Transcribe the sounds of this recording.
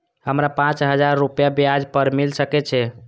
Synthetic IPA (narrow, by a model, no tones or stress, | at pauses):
həmɾapãt͡ʃɦəd͡ʒaɾːupjabjad͡ʒpəɾmilsəkɛt͡ʃʰɛ